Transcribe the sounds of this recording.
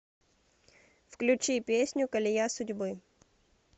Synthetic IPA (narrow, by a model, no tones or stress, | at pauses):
fklʲʊt͡ɕipʲesʲnʲʊkəlʲɪjasʊdʲbɨ